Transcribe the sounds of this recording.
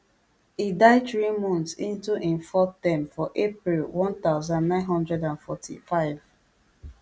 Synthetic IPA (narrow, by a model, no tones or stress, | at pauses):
idaɪdtɹimɔ̃ntsḭ̃ntuʔĩnfɔθtɛ̃mfɔʔepɹilwɔ̃ntaʊzãndːãɪ̃nɦɔ̃ndɹɛdãnfɔtʰḭfaɪv